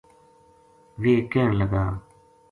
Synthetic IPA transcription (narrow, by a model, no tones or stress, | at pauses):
ʋeːkẽːnləɡaː